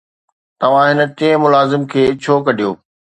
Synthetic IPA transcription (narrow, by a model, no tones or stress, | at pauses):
t̪ɐʋ̤ãɦɪnə̆t̪ĩə̃mʊlaːzɪmkʰeːɪt͡ɕʰokɐɗijoː